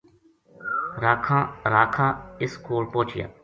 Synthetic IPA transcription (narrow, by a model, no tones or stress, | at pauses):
ɾaːkʰãːɾaːkʰãːɪskoːlpõːt͡ʃɪjã̰ː